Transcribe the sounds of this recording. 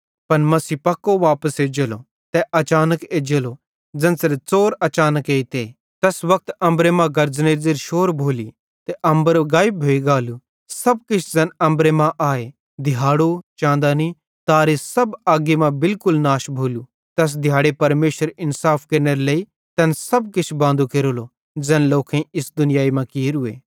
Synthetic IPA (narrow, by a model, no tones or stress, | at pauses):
pɐnmɐsiːpɐkːoʋaːpəseːd͡ʒeːlo | t̪ɛʔɐt͡ʃaːnəkeːd͡ʒelo | d͡zɐnsɪɾt͡soːɾɐt͡ʃaːnəkeːit̪eː | t̪ɐsʋɐk̚ʰt̪ɐ̃mbɾemãɡɐɾd͡zneːɾd͡zeɾʃoːɾbʱoːli | t̪ɛʔɐ̃mbəɾɡaːjbʱoːiɡaːlu | sɐb̚kɪt͡ʃʰd͡zɐnɐ̃mbɾemãʔaːe | d̪ɪjaːɽot͡ʃãːnd̪ani | t̪aːɾisɐbaːɡemãbɪlkʊlnaːʃbʱoːlu | t̪ɐs̬d̪ʱɪjaːɽepɐɾmeːʃəɾɪnsaːpʰkɐɾneɾelei | t̪ɛnsɐb̚kɪt͡ʃʰbãːnd̪ʱukeːɾoːlo | d͡zɛːnloːkʰẽɪsd̪ʊnɪjaːimãkiːɾʊḛː